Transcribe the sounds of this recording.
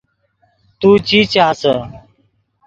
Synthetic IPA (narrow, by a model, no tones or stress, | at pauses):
t̪uːt͡ɕiːt͡ɕaːsə